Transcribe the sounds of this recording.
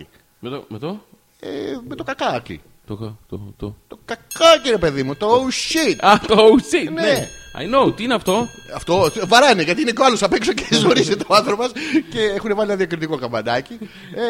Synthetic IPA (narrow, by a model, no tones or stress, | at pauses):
met̪omet̪o | ḛmet̪o̞kɐkɐkḭ | t̪oot̪ot̪okɐkɐkiɾe̞pe̞ðimut̪oowʃit̪at̪oowsitneɐ̰jnowt̪iineɐft̪o̞ | ɐft̪o̞vɐɾɐneʝɐt̪iinecoɐlosɐpeksocezoɾiset̪eoɐnθɾopɐsce̞exunevɐlinɐðiɐkɾit̪iko̞kɐvɐd̪ɐci